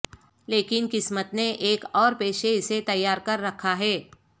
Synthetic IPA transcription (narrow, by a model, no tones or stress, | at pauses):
leːkɪnkɪsmət̪neʔeːkɔːɾpeːʃeɪset̪ɐjːaːɾkɐɾːɐkʰaɦɛː